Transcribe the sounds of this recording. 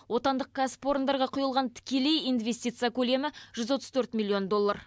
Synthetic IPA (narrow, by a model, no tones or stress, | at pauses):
wo̞t̪ɑnd̪əq̚ɡ̥ʲaspo̞ɾənd̪ɑɾʁɑqʰʊjəlˠʁɑnt̪ʰɪ̥kʲe̞le̞jijnvʲe̞sʲt̪ʲijt̪sɨjakʲʰɵle̞mɪʒ̥ʏzwo̞t̪əz̥t̪ʰɵɾt̪mʲilʲˠːio̞nd̪o̞lˠːɑɾ